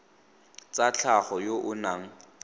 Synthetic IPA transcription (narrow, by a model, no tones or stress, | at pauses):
t͡sat͡ɬʰaχɔjoʔʊnaŋ̩